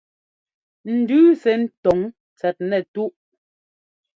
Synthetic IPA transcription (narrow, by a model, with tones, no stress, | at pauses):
n̩˨dʉː˦sɛ˨˦n̩˦tɔ˨ŋ | t͡sɛ˨t̚nɛ˨tu˦ʔ